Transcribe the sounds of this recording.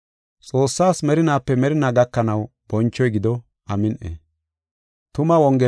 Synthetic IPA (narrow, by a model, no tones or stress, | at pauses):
t͡sʼo̞ːsːaːsmɛɾɪnaːpːɛmɛɾɪnaːɡɐkːɐnɐwb̥ɔnt͡ʃːɔjɡɪd̪ɔ | ʔɐmɪnʔḛ | t̪ʊmɐwɔŋɡɛ